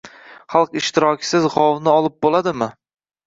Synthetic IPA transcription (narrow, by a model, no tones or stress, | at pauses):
χɑlˠqɪʃt̪ɪɾɒkʲʰɪ̥sɪzʁɒwnɪɒlˠɪp̚bolˠad̪ɪmɪ